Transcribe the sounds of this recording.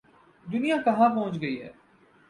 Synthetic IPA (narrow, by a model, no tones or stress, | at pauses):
d̪ʊnijãkɐɦãpɔɦʊ̃t͡ʃɡɐiɦɛ̰ː